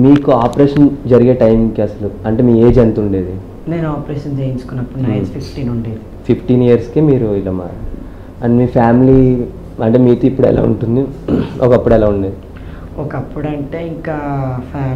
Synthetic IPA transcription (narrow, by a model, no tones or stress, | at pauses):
miːkuaːpɾeːʂɐnd͡ʒɐɾiɡe̞ːʈɐjmiŋkiɐsɐluɐɳʈeːmiːeːd͡ʒɐnt̪uɳɖeːd̪i | ne̞ːnuaːpɾeːʃɐnt͡ʃejint͡ʃu̥kunːɐpːuɽnɐːjspʰipʰʈiːnuɳɖeːd̪i | pʰipʰʈiːnijɐɾskiːmiːɾuilɐːma̰ːɾ | ɐnmiːpʰaːmili | ɐɳʈe̞ːmiːt̪oːipːuɽɛ̰la̰ːṵɳʈund̪iʔɔkɐpːuɽɛlaːuɳɖeːd̪i | ɔkɐpːuɽɐɳʈeːiŋkaːpʰː